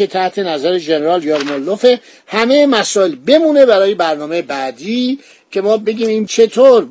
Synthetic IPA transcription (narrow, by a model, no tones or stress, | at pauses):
et̪ʰæht̪ʰe̞næzæɾeʒeneɾɒːljɒːɾmolːofe | hæmejemæsɒːjelbe̞muːne̞bæɾɒːjebæɾnɒːmejebæd̪iː | cʰe̞mɒːbe̞ɟʲiːmiːnt͡ʃʰe̞t̪ʰoːɾ